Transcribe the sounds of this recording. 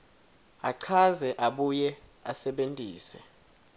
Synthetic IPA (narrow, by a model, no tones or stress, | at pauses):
aǀʰazɛʔaɓujɛasɛɓentʼiːsɛ̰